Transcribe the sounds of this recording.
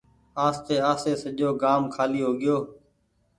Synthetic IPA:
aːst̪eːaːseːsəʄoːɡaːmkʰaːliːɦoːɡɪjoː

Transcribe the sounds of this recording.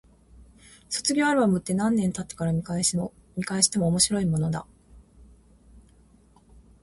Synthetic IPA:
so̞̥t͡sɨɡʲo̞ːaɾɯ̟bamɯ̟t̪ːe̞nãnːẽ̞nt̪at̪ːe̥kaɾaɲ̟iaɲikaeɕi̥t̪emoːmo̞ɕiɾo̞imo̞no̞d̪a̰

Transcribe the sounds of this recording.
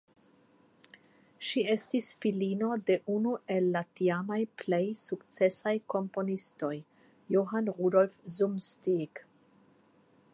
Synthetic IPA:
ʃie̞stisfilino̞de̞ʔunue̞lːatiamajplejsukt͡se̞sajko̞mpo̞nisto̞jː | oɦanʁudo̞lfzumstik

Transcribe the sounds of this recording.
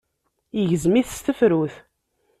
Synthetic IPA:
iʝəzmiθst̪əfɾuθ

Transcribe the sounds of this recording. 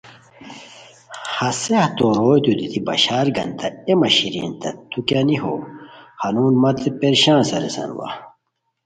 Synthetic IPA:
hɐseht̪oɾoːjt̪ud̪it̪ibɐ̰ɕaːɾɡɐ̰nt̪ɐemɐɕiɾḭːnt̪ɐt̪ukjaniɦo̰ːhɐnuːnmɐt̪epeɾɕãːnsɐɾesɐ̰nwɐ̰

